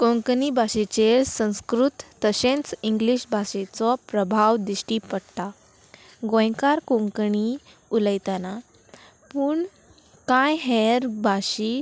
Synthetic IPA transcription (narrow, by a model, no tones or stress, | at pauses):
kõŋkɳibʱaɕet͡ɕesə̃w̃skɾut̪ːəɕẽnt͡siŋɡliɕbʱaɕet͡sɔpɾəbʱaʋd̪iɕʈiːpəɽt̪a | ɡõjkaɾkõŋkɳi | uləjt̪ana | puːɳ | kajɦeɾbʱaɕi